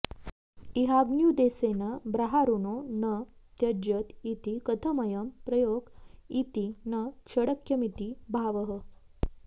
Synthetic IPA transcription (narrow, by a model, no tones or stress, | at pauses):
iɦaɡnjud̪esenəbɾaɦaɾunonət̪jəd͡ʑət̪it̪ikət̪ʰəməjəmpɾəjoɡit̪inəkʂəɽəkjəmit̪ibʱaʋəɦə